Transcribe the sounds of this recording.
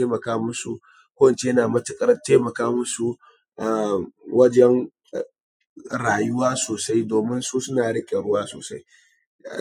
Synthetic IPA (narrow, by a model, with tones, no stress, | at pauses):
eː˦mɐ˨kaː˦mʊ˦su˦ | kʷoː˦wɐ˨nt͡ʃe˦jɐ˦naː˨mɐ˦tɪ˨kʼɐ˦rteː˦mɐ˨kaː˦mʊ˦su˦ | ʔa˨wɐ˦d͡ʒɛ˦ŋ˨ | ɽaː˨jʊ˦waː˦soː˨sa˦jdoː˨mɪ˦nsuː˦sʊ˦naː˨ɽɪ˦kʲʼe˨ɽʊ˦waː˦so̰ː˨sa̰˦j